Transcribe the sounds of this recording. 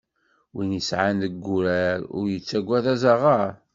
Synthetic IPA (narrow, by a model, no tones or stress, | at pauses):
winjəsʕanðəɡːʊɾæɾʊ̰ɾjət͡sːæɡʷːæðæzaʁaɾ